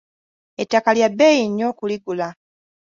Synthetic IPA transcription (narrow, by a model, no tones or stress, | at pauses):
etːakaljabːejiɲːo̞ːkuliɡula